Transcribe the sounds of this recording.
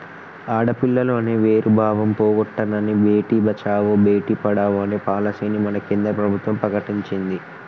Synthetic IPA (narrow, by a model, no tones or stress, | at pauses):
aːɽɐpiɭːɐlo̞ːneːʋeːɾubʱaːʋɐmpoːɡɔʈːɐnɐnibʱe̞ːʈiːbʱɐt͡ʃaːʋobʱe̞ːʈiːpɐɽaːʋoɐneːpaːlɐseːnimɐnɐkind̪ɾɐpɾɐbʱut̪ʋɐmpɾɐkɐʈiɲt͡ʃind̪i